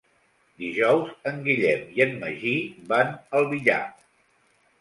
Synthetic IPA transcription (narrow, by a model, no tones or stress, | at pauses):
d̪iʒɔwzəŋɡiʎɛmiənːə̰ʒibanəlˠβiʎa̰